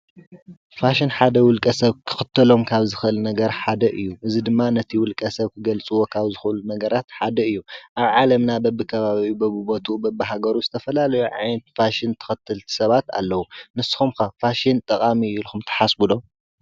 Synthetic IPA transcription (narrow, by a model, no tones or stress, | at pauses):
faʃinħad̪ɐwʊlkʼɐsɐβkʰɨ̥xɨt̪ʰːɐlo̞mkʰaβzɨxɨʔɨlnɐɡɐɾħad̪ɐʔɨjːuʔɨzid̪ɨmːanɐt̪ʰiwʊlkʼɐsɐβkʰɨɡɐlt͡sʼɨwo̞kʰaβzɨxɨʔɨlunɐɡɐɾat̪ħad̪ɐɨjːuʔaβʕalɐmnabɐbːɨkʰɐβaβibɐbɨbo̞t̪ʰubɐbːɨɦaɡɐɾuzɨt̪ʰɐfɐlalɐjuʕa̰jnɐt̪̚faʃɪnt̪ʰɐ̥xɐt̪ʰːɨlt̪ʰsɐβat̪a̰lːɐwunɨsːɨ̥xumkɐfaʃint̪ʼɐkʼamiulxumt̪ʰɐ̥ħasbud̪om